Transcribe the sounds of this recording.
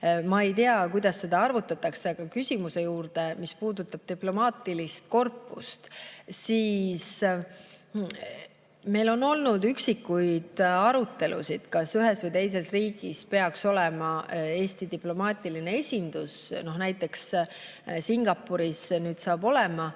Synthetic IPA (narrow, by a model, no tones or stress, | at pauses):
mɑe̞jt̪eɑkujd̪̥ɑsːe̞d̪̥ɑɑrvut̪ːˑɑt̪ːˑɑkseɡ̥ɑkysʲimuse̞juːrd̪̥e̞mispuːd̪ut̪ːˑɑb̥̚t̪iplo̞mɑːt̪ːilist̪̚ko̞rpːˑust̪siːs | me̞jlo̞no̞lnud̪yksikːujd̪̥ɑɾut̪ːˑe̞lʔṵsid̪̥kɑsyɦe̞svɯjt̪e̞js̬e̞sriːɡ̥ispe̞ɑkso̞le̞mɑe̞ːsʲt̪id̪iplo̞mɑːt̪ˑiline̞e̞sʲind̪usno̞hnæjt̪ːˑe̞ks | siŋɡ̥ɑpːuɾisnyːd̪̥sɑːbo̞le̞mɑ